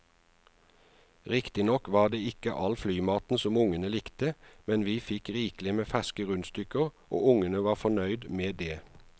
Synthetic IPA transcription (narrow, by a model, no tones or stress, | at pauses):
ʁɪkt̪ɪnɔkʋɑːd̪eːɪkəʔɑlflyːmɑːt̪n̩sɔmʊŋənəlɪkt̪əmɛnʋiːfɪkʁiːklɪmeːfæskəʁʉnst̪ʏkəʁʔo̰ːʊŋənəʋɑːʁfɔnœʏd̪meːd̪eː